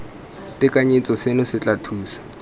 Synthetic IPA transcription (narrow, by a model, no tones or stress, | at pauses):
tɪkʼaɲet͡sʼɔsenʊsɪt͡ɬʼatʰuːsḁ